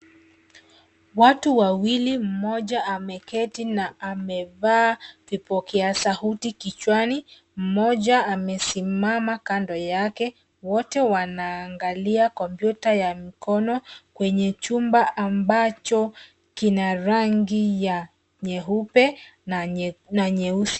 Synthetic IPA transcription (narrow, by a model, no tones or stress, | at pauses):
watuwawilim̩mɔʄaamɛkɛtinaamɛvaːvipɔkɛasahutikit͡ʃwani | m̩mɔʄaamɛsimamakandɔjakɛ | wɔtɛwanaːŋɡaliakɔmpjutajamikɔnɔkwɛɲɛt͡ʃumbaʔambat͡ʃɔ | kinaɾaŋɡija | ɲɛɦupɛ | naɲɛusi̥